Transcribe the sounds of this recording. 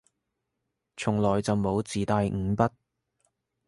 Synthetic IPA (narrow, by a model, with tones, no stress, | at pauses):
t͡sʰʊ˨˩ŋlɔː˨jt͡sɐ˨wmo˨˧wt͡siː˨t̪aː˧jŋ̩˨˧pɐ˥t̚